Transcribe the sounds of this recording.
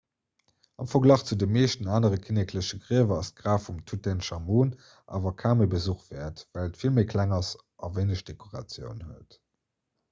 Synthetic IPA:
ɑmfɐɡlɑχt͡sudəmːeːʃtənaːnəʁəkʰinekʰləɕəɡʀiəvɐɑst̚ɡ̥ʁaːfumtʰutɛnʃɑmuːn | ʔa̰ːvɐkʰaːməbəzuχtvɛːɐtvælətfilmeɪkʰlæŋɑs | ʔɑveɪnəɕd̥ekʰoʁɑ̰t͡sjə̰ʊnhuət

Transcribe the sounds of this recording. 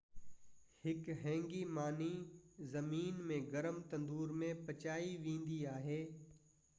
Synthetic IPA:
hɪkɦɛ̃ːŋɡimaːnizɐmiːnmẽɡɐɾəmt̪ɐ̃nd̪uːɾmẽpɐt͡ʃaːiʋĩːn̆d̪iaːɦeː

